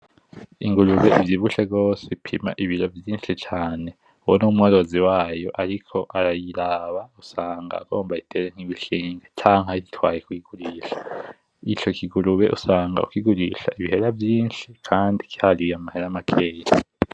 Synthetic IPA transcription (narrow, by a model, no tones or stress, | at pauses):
iŋɡuɾuβe̞ʔivjiβuʃeɡo̞ːseipʰima̰ʔiβiɾo̞vjiːnʃit͡ʃaːne̞ | uwonumŋoɾo̞ziwaːjo̞ʔaɾikʰo̞ʔaɾajiɾaβausaːŋɡa̰ːɡ̥o̞ːmbaitʰeɾeŋ̥hiβiʃiːŋɡet͡ʃaːŋ̥haiitʰwaːjekujiɡ̥uɾiːʃḁ | it͡ʃo̞kʰiɡuɾuβe̞ʔusaːŋɡa̰ukiɡuɾiʃa̰iβiɦe̞ɾavjiːnʃikʰaːndiki̥halijamaheɾaamakʰe̞ːja